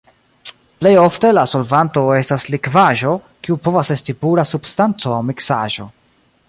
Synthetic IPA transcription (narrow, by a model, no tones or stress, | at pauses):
ple̞jo̞fte̞laso̞lvanto̞e̞staslikvaʒo̞ | kiupo̞vase̞stipuɾasubstant͡so̞awmiksa̰ʒo̞